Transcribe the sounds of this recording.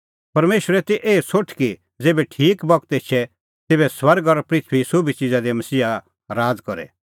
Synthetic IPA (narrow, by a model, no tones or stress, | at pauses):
pɐɾmeːʃəɾɛt̪eʔeːsoʈʰki | d͡zeːbɛʈʰiːkbɐk̚t̪et͡ʃʰɛ | t̪eːbɛswɐɾɡɔɾpɾɪt̪ʰʋisʊbʱit͡ʃid͡zad̪imɐsiːa | ɾaːd͡zkɔɾɛ̰